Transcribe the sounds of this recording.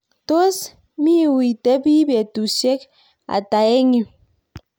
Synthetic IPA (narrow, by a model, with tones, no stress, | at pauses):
to˦s | mi˦˨wi˨te˦bi˦be˨tu˨ʃe˦k | a̰˨ta˨e˦ŋi˦